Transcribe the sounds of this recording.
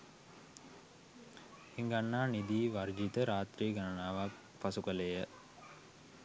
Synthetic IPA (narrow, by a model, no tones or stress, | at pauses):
iŋɡanːaːnid̪iːʋard͡ʒit̪əɾaːt̪ɾiːɡanənaːʋak | pasukəlejə